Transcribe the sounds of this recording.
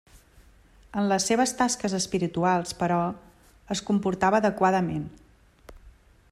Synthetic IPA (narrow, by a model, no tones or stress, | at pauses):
ənləsːeβ̞əst̪askəzəspiɾit̪ualˠspəɾɔ | əskumpuɾt̪aβəːðəkwaðəmen